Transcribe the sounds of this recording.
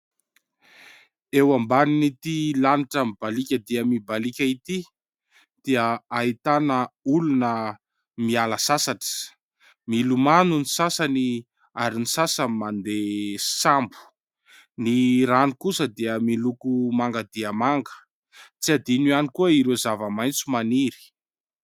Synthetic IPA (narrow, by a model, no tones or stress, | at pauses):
ewambaninit̪ilaniʈ͡ʂəmib̥alikʲəd̪iəmibalikʲəit̪i | d̪̥iəaɦit̪anəulunə | mialəsasaʈ͡ʂə̥ | milumanunisasani | aɾinisasəmand̪esambu̥ | niɾanikusəd̪iəmilukumaŋɡad̪iəmaŋɡə̥ | t͡siad̪inuanikuəiɾezavəmajnt͡sumaniɾi̥